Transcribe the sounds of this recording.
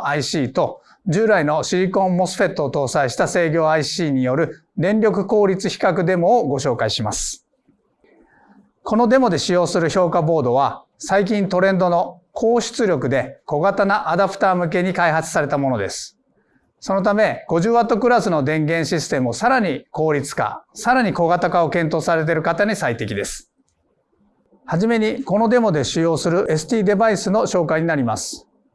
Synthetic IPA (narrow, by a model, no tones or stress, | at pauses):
aiɕiːt̪o̞ | d͡ʑɨːɾaino̞ɕiɾʲikõ̞mːo̞sɨ̥ɸe̞t̪ːoːt̪o̞ːsaiɕi̥t̪ase̞ːɡʲo̞ːaiɕiːɲ̟ijo̞ɾɯ̟ | d̪ẽ̞nɾʲo̞k̬ɯ̟ko̞ːɾʲit͡sɨçi̥kakɯ̟d̪e̞mo̞ːɡo̞ɕo̞ːkaiɕimasɨ̥ | kʰo̞no̞d̪e̞mo̞d̪e̞ɕijo̞ːsɨɾɯ̟ço̞ːkabo̞ːd̪oβ̞a | saik̬ʲĩnt̪o̞ɾẽ̞nd̪o̞no̞ | kʰo̞ːɕi̥t͡sɨɾʲjokɯ̟d̪e̞ko̞ɡat̪anaʔad̪apɯ̟̥t̪aːmɯ̟k̬e̞ɲ̟ikaiɦat͡sɨ̥saɾe̞t̪amo̞no̞d̪e̞̰sɨ̥ | so̞no̞t̪ame̞ɡ̥o̞ʑɨːat̪ːo̞kɯ̟ɾasɨno̞d̪ẽ̞ŋɡẽ̞ɰ̃ɕisɨ̥t̪e̞mɯ̟osaɾaɲ̟iko̞ːɾʲit͡sɨ̥ka̰saɾaɲ̟iko̞ɡat̪akao̞kẽnt̪o̞ːsaɾe̞t̪̬e̞ɾɯ̟kat̪aɲ̟isait̪e̞kʲid̪e̞sɨ̥ | haʑime̞ɲ̟iko̞no̞d̪e̞mo̞d̪e̞ɕijo̞ːsɨɾɯ̟ʔe̞sɨ̥t̪ʲiːd̪e̞baisɨno̞ɕo̞ːkaiɲ̟inaɾʲima̰sɨ̥